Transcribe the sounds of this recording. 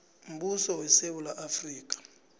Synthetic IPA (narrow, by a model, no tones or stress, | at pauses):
m̩ɓusɔwɛsewulaʔafriːk̬ʼḁ